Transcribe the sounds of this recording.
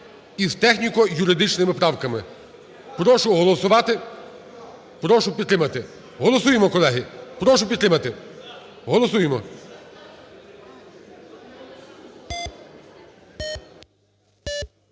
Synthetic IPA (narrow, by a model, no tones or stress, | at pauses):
izt̪ɛxnʲikɔjʊɾɪd̪ɪt͡ʃnɪmɪpɾɑwkɐmɪ | pɾɔʃʊɦɔlˠɔsʊʋɑt̪ɪ | pɾɔʃʊpʲid̪t̪ɾɪmɐt̪ɪ | ɦɔlˠɔsujemɔkɔlˠɛɦɪpɾɔʃʊpʲd̪ɾɪmɐt̪ɪ | ɦɔlˠɔs̬ujemɔ